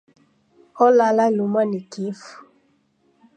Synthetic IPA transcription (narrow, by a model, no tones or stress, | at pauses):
ɔlalalumanikifu̥